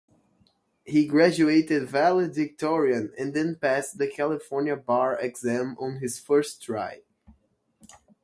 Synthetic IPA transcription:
hiɡɹæd͡ʒueɪtɨdvælədvɪk̚tʰɔɹiɨ̃nɨ̃nðɨ̃npæstðɨkʰælˠɨfɔɹnjəbɑɹɛɡzæ̃mə̃nɦɪz̥fɜ˞sdɹaɪ

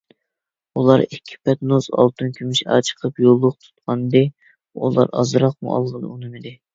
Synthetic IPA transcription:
ulˠɑɾɪkʲʰːi̥pɛt̪nozɑ̰lˠt̪unkʲʰymɪʃɑ̰ːt͡ʃʰə̥qʰəpjolˠːʊq̚t̪ʰu̥t̪qʰɑnɨd̪ɨ | ṵlˠɑ̰ɾɑ̰zɾɑq̚mṵʔɑ̰lˠʁənɨ̰unɨmɨd̪ɪ

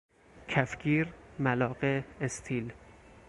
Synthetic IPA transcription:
kʰæfɡiːɾmælɒːɢeest̪ʰiːl

